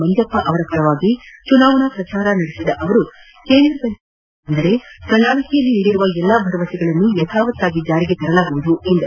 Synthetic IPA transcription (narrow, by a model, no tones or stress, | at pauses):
mɐnd͡ʒ̪jɐpːɐʔɐʋɐɾɐkɐɭɐʋaːɡit͡ʃunaːʋɐɳɐpɾɐt͡ʃaːɾɐnɐɽesid̪ɐʔɐʋɐɾu | keːnd̪ɾɐpɐn | nd̪ɐɾe̞kɐnaːɭɐkʰijɐlːiniːɽiɾuʋɐɛlːabʱɐɾɐʋɐsiɡɐɭɐnːujɐt̪ʰaːʋɐt̪ːaːɡid͡ʒaːɾiɡet̪ɐɾɐlaːɡuʋud̪uend̪ɐ